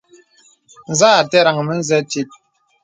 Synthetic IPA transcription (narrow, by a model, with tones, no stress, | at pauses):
n̩˨zaː˦a˨tɛ˦ɾa˨ŋə˨mə˦n̩˦zɛ˦ti˦t̚